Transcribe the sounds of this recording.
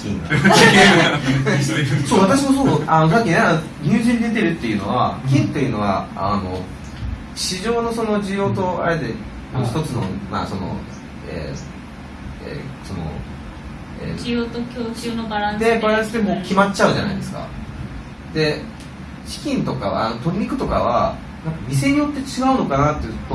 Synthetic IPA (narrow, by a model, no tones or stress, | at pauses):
kʲḭ̃n | soːβ̞at̪aɕ̬imosoːanos̬akʲːineano | ɲ̟ʲɨːʑĩɲid̪et̪eɾɯ̟t̪ːe̞jɯ̟no̞̰βa̰kʲĩnt̪ːe̞jɯ̟no̞ɡa̰a̰no̞ | ɕiʑo̞ːno̞so̞no̞d͡ʑijo̞ːt̪o̞a̰ɾe̞d̪e̞ | moːçʲi̥t̪o̞t͡sɨno̞̰ma̰ːso̞no̰ | ḛː | ḛːso̞no̞̰ | ḛːijoːt̪okʲoːt͡ɕɨːnobaɾãd̪e̞baɾãsɨd̪e̞moːkʲimat͡ɕːaɯ̟ʑana̰id̪e̞sɨ̥ka̰ | d̪e̞ | ɕi̥kʲĩnt̪o̞kaβa̰ːnot̪o̞ɲːʲikɯ̟t̪o̞kaβa | nãŋkamʲis̬e̞ɲ̟ijo̞t̪ːe̞t͡ɕiɡaɯ̟no̞kanat̪ːejɯt̪ːo